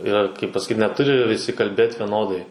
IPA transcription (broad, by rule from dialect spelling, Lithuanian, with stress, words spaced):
ˈɪr kɐɪp pɐsɐˈkʲiːt nʲɛˈtʊrʲɪ ʋʲɪˈsʲɪ kɐlʲˈbʲeːt ʋʲɛˈnoːdɐɪ